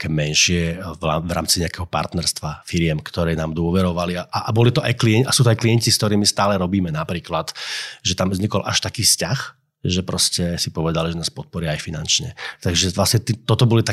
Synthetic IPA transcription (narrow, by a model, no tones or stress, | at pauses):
kɛːmɛnʃɪɛavɾa̰ːmt͡siɲɛakɛɦɔpa̰ɾt̪nɛɾst̪ʋafiɾɪɛmkt̪ɔɾɛːnaːmd̪ʊɔʋɛɾɔʋaliaʔaʔbɔlit̪ɔa̰jkliɛasuːt̪ɔajklijɛɲciskt̪ɔɾiːmist̪aːlɛɾɔbiːmɛnapɾiːklat̪ʒɛt̪amzɲikɔlʔa̰ʃt̪akiːscax | ʒɛpɾɔscɛsipɔʋɛd̪aliʒɛnaːspɔt̪̚pɔɾɪaːjfinant͡ʃɲɛ̰t̪aɡʒɛlasɲɛt̪it̪ɔt̪ɔbɔlit̪a